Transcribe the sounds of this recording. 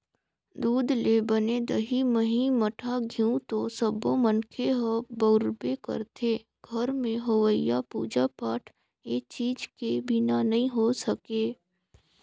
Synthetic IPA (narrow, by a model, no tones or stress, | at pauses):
d̪uːd̪lebəneːd̪əɦiməɦĩməʈʰaɡʱiũt̪osəbomənkʰeɦəbəːɾbekə̰ɾt̪ʰeː | ɡʱɐɾmẽɦowəjːapṵːd͡ʒapaːʈʰ | eːt͡ʃiːd͡ʒkebʱɪnanɐɦĩɦosəkeː